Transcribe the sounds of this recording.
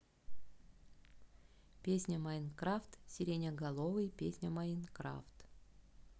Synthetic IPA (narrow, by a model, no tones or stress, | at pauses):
pʲesʲnʲəmainkɾaft̪sʲɪɾʲenʲəɡɐlˠovɨjpʲesʲnʲəmainkɾa̰ft̪